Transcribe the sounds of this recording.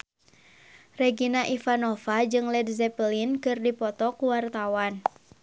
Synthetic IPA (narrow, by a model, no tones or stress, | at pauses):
rɛɡinaʔifanɔfad͡ʒɨŋlɛdzɛpəlinkɨrdipɔt̪ɔkuwart̪awan